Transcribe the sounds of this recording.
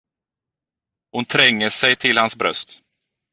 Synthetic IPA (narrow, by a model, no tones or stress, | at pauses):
hʊnt̪ʰɾɛŋːəsɛjt̪ʰɪlhansbɾœ̰st̪